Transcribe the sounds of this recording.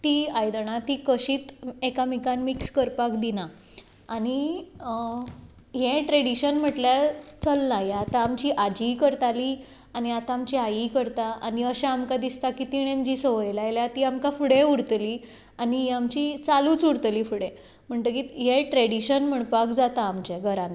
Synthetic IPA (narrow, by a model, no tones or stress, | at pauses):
t̪iajd̪əɳ̃at̪iːkəɕiːt̪ekamikanmikskəɾpakd̪ina | ani | ɦẽʈɾeɽiɕənm̤əʈljat͡səlnajeat̪aːmt͡ɕiːʔad͡ʑikəɾt̪ali | aniat̪ãːmt͡ɕiajikəɾt̪aʔaniəɕaamkad̪ist̪akit̪iɽ̃ẽnd͡ʑisəʋəjlaeljat̪iamkafuɽeuɽt̪li | aniɦamt͡ɕit͡saluːt͡suɽt̪liːfuɽẽ | m̤əɳt̪əkiɦeʈɾeɽiɕənm̤əɳpakd͡zat̪aːmt͡ɕeɡʱəɾãn